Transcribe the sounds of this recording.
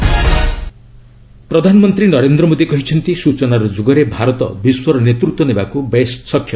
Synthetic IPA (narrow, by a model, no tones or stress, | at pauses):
pɾʌd̪ʱanmʌnt̪ɾinʌɾend̪ɾɔmod̪ikʌɦit͡ʃʰʌnt̪isut͡ʃɔnaɾud͡ʒuɡʌɾebʱaɾɔt̪ɔ̰biswʌɾnet̪ɾut̪wɔnebakubessʌkʰjʌ